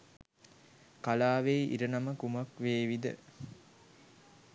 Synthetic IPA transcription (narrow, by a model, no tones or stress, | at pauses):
kalaːʋeʔḭɾənaməkuməkʋeːʋid̪ə̰